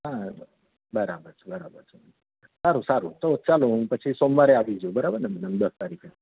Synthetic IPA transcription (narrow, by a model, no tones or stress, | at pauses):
ɦã | bəɾabəɾt͡ʃʰebəɾabə̰ɾt͡ʃʰe | əsaɾusaɾut̪ot͡ʃaloɦũpət͡ʃʰisɔmʋaɾeaʋid͡ʒubəɾabəɾnəməd̪əmd̪əst̪aɾikʰe